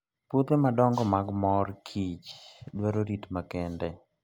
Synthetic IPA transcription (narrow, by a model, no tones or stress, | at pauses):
pot̪emadɔŋɡɔmaɡmɔrkʰit͡ʃdwaɾoɾitmakɛndɛ